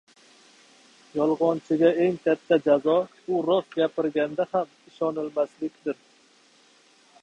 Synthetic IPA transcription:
jɒlˠʁɒnt͡ʃʰɪɡʲae̞ŋkʲʰat̪ʰːad͡ʒazɒbʊɾɒsɡʲapʰɪɾɡʲand̪aham | ɪʃɒnɪlmaslɪkʲd̪ɪɾ

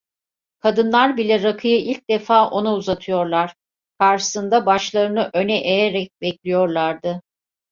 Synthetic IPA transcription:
kʰad̪ɯnlˠaɾbilʲɛɾakʰɯjɯilʲc̚d̪̥efaːʔo̞nauzat̪ʰɯjo̞ɾlˠaɾ̥ | kʰaɾʃɯ̥sɯnd̪abaʃlˠaɾɯnɯʔø̞nɛʔejeɾɛc̚bɛclʲijo̞ɾlˠaɾd̪ɯ

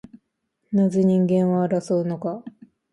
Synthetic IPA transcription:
nazeɲ̟ĩŋɡẽ̞ɰ̃βaɾasoɯno̞ka

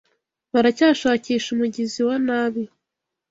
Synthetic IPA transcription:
βaɾacaːʃaːciːʃumuɟiziwanaːβi

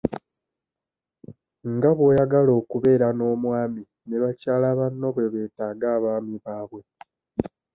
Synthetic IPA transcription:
ŋɡaβwo̞ːjaɡalo̞ːkuβe̞ːɾano̞ːmwaːmi | neβacaːlaβanːo̞βwe̞βe̞ːtaːɡaːβaːmiβaːβwe̞

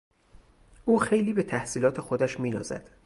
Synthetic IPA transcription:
ʔuːxe̞jliːbe̞t̪ʰæhsiːlɒːt̪ʰe̞xod̪æʃmiːnɒ̰ːzæ̰d̪̥

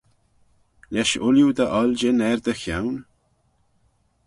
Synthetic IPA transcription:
lɛʃʊljud̪əʔɑld͡ʒenɛɾd̪əxjawn

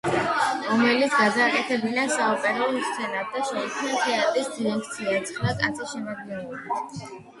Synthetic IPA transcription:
ɾɔmɛlit̪sɡad̪aːkʼɛt̪ʰɛbinasaɔpʼɛɾast̪sʰɛnad̪̚d̪aʃɛikʰmnat̪ʰɛat̪ʼɾisd̪imɛkʰt̪sʰiat̪sʰχɾakʼa̰t̪sʰɛʃɛmad̪̚ɡɛnɛbḁ

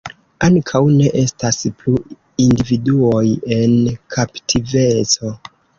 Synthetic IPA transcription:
aŋkʰawne̞ʔe̞stasplu | individuo̞je̞nkʰaptʰive̞t͡so̞

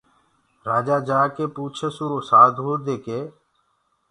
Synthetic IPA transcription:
ɾaːd͡ʒaːd͡ʒaːkeːpuːt͡ʃʰesuːɾoːsaːd̪ɦoːd̪eːkeː

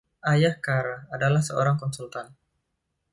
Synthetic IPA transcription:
ʔajahkaɾaːdalahsəoɾaŋkɔnsult̪an

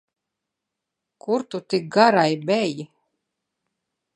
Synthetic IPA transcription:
kuɾt̪ut̪ik̚ɡaɾajbɛji

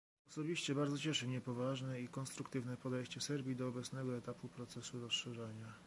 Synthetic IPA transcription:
ɔsɔbʲiɕt͡ɕɛbaɾd̪zɔt͡ɕɛʂɘmɲɛpɔvaʐnɛikɔnst̪ɾukt̪ɘvnɛpɔd̪ɛjɕt͡ɕɛsɛɾbʲjid̪ɔːbɛt̪snɛɡɔɛt̪apupɾɔt̪sɛsuɾɔsʂɛʐɛɲa

